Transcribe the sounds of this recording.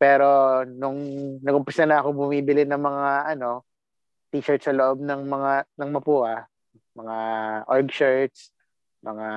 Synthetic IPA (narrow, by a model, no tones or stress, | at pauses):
pɛːɾo̞nʊŋnɐkʊmpɪsɐnɐɐkobʊmiːbɪlɪnɐŋmɐŋaʔɐno̞ | t̪iʃɛɹt̪sɐloʔo̞b̚nɐŋmɐŋanɐŋmɐpuːhɐ | mɐŋaʔoɹɡʃɛɹt̪̚s | mɐŋa